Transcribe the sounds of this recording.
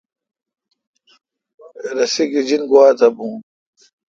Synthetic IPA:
ɾɐsiɡid͡ʑinɡuwaːt̪ʰɐbũː

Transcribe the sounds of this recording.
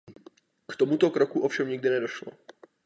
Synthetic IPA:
kt̪omut̪o̞kɾokuʔofʃɛmɲɪɡ̚dɪnɛdo̞ʃlo̰

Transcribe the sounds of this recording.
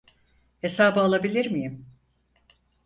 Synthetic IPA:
he̞saːbɯalˠabilʲiɾmijim

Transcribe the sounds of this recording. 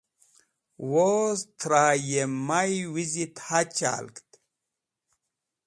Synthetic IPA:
wozt̪ʰɾaːjemajwizit̪hat͡ɕa̰ːlkt̪

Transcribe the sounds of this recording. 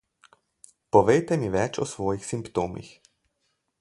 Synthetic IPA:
pɔʋejt̪ɛmiʋɛt͡ʃɔ̰sʋɔːjixsimpt̪oːmḭx

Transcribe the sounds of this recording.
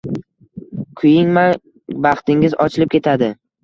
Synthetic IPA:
kʰʊjɪŋma | bɑχt̪ɪŋɪzɒt͡ʃʰɪlɪp̚kʲʰe̞t̪ʰad̪ɪ

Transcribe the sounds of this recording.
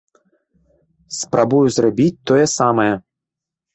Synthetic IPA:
spɾabujuzrabʲit͡sʲt̪ɔjɛsamɐjɛ

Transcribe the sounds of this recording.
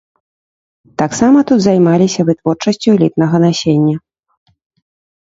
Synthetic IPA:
t̪aksamɐt̪ud̪zajmalʲisʲɐvɨt̪vɔrt͡ʂɐsʲt͡sʲulʲit̪nɐɣɐnasʲenʲːɐ

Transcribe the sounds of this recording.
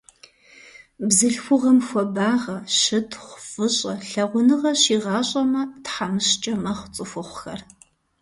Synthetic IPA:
bzɨɬxʷʊʁɐmxʷɔbaːʁɐʃɨtʰχʷfɨɕʼɐɬɐʁʷʊnɨʁɐɕiːʁɑːɕʼɐmɐtħamɨɕt͡ʃʼɐmɐχʷt͡sʼɨfʷʊχʷʊxɐr

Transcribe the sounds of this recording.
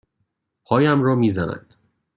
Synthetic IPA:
pʰɒːjæmrɒːmiːzænæ̰nd̪̥

